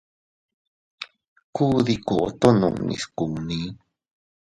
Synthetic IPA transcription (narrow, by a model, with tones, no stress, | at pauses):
ku˦ði˧ku˨ʔo˨t̪o˦nṵ̃˨ʔnḭ˨˧sku˨nĩ˦